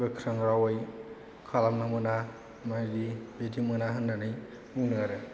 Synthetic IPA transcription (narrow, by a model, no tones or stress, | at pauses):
ɡɯkʰɾɯŋɾawaj | kʰalamnamɯna | madibetʰimɯnaɦɯnːanɯj | uŋnɯaɾɯ